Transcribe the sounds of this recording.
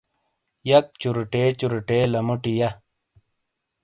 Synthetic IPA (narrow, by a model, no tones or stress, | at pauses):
jɐk̚t͡ɕuɾuʈeːt͡ɕuɾuʈelɐmuʈijɐ